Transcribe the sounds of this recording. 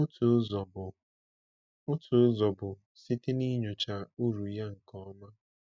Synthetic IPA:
ʊ˦tu˨˦zɔ˨bʊ˨ | ʊ˦tʰʊ˨ʊ˦zɔ˨bʊ˨ | si˦tɪ˦ni˦ɲo˨t͡ʃa˨u˦ɾu˨ja˦ŋ̩˨kɔ˦ma˦

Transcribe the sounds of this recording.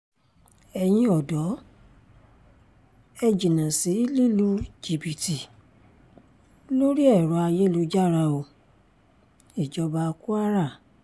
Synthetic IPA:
ɛ˧j̃ĩ˧ɔ˨dɔ˨˦ | ɛ˧d͡ʒi˨nã˨si˨˦i˦li˦lu˦d͡ʒi˨bi˨ti˨ | lo˦ɾi˦ɛ˦˨ɾɔ˧˦a˧je˦lu˧d͡ʒa˦˨ɾa˧o˧˨ | i˨d͡ʒɔ˧ba˧ku˦a˦ɾa˦˨

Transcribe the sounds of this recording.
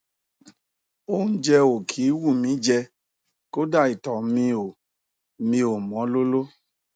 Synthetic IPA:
o˦ũ˦d͡ʒɛ˧o˨kʰi˨˦wu˦˨mĩ˨˦d͡ʒɛ˧ | ko˦da˦˨i˨tɔ˨mĩ˧o˨ | mĩ˧o˨mɔ̃˨˦lo˦lo˦

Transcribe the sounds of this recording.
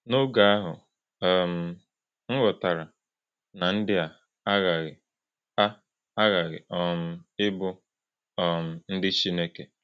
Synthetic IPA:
no˦ɡa˨a˦ɦʊ˨ | ɛ˦˨m̩˨ | ŋ̩˦ɣɔ˨ta˨ɾa˨ | na˨n̩˦dɪ˦a˨ | a˦ɣa˨ɣɪ˨ | a˦ | a˦ɣa˨ɣɪ̰˨ʔɔ˦m̩˦ɪ˦bʊ˦ | ɔ˨m̩˨n̩˦dɪ˦t͡ʃi˦ne˦ke˨

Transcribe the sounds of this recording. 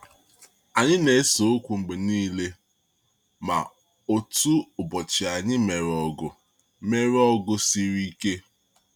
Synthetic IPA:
a˨ɲɪ˦ne˨˦so˨o˦kʷu˨ŋ͡m̩˨ɡ͡be˨niː˦le˦ | ma̰˨ | o˨tu˦ʊ˨bɔ˨t͡ʃɪ˨a˨ɲɪ˦me˨ɾɔ˨ɡʊ˨ | me˦ɾɔ˦ɡʊ˦si˦ɾi˦ke˦

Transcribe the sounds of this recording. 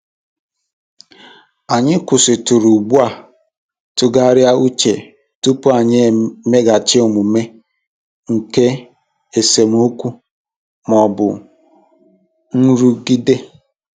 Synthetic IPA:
a˨ɲɪ˦kʷʊ˨sɪ˨tʊ˨ɾu˨ɡ͡bu˦a˨ | tʊ˦ɡa˦ɾja˦u˦t͡ʃe˨ | tu˦pʊ˦a˨ɲɪ˦me˦ɡa˨t͡ʃɪ˦ʊ˨mʊ˨me˦ | ŋ̩˨ke˦ | e˨se˨m˦u˦kʷu˦ | mɔ˨bʊ̰˨ | n̩˦ɾu˦ɡi˦de˦

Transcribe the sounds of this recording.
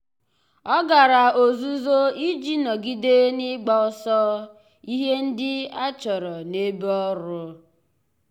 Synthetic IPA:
ɔ˦ɡa˨ɾa˨o˨zu˦zo˦i˦d͡ʒi˦nɔ˨ɡi˦de˦nɪ˦ɡ͡ba˦ʊ˦sɔ˦ | i˦ɦe˦n̩˦dɪ˦a˦t͡ʃɔ˨ɾɔ˨ne˦bɔ˦ɾʊ˦

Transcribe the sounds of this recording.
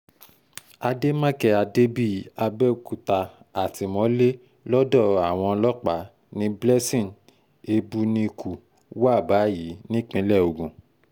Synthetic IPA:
a˧de˦mã˦kɛ˧a˧de˦bi˦˨a˧bɛ˦u˨ku˨ta˧ | a˨ti˧˦mɔ̃˨˦le˦ | lɔ˦dɔ˦˨a˨w̃ɔ̃˧lɔ˦k͡pa˨˦ | nĩ˦blɛ˦sĩ˦˨n | e˧bu˦nĩ˧˦˧ku˨ | wa˦˨ba˨˦ji˨˦nĩ˦k͡pĩ˧˦lɛ˦˨o˨ɡũ˨

